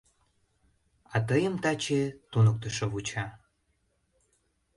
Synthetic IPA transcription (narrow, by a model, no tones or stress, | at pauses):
ɑt̪əjəmt̪ɑt͡ɕet̪unək̚t̪əʃoβut͡ɕɑ